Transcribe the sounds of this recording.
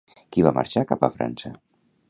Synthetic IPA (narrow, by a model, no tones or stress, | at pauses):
kiβ̞amʔa̰ɾʃakapəfɾa̰nsə